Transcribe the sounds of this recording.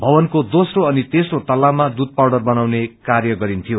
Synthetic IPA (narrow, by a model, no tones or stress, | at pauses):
bʱʌbʌnkod̪osroʌnit̪esrot̪ʌlːamad̪ud̪̚pawɽʌrbʌnawnekarjʌɡʌɾint̪ʰijo